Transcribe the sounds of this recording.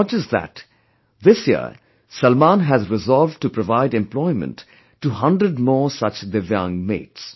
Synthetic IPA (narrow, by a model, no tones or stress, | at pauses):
d͡ʒəsðæ̰t | ðɪsjḭ | sʌlmãnɦæzɾɪzɔlˠv̚ʈupɾəvaɪɖɛ̃mplɔɪmə̰̃ntː | uɦʌ̃ndɾəɖmɔːɹsʌt͡ʃd̪əjʌ̃ŋmḛːts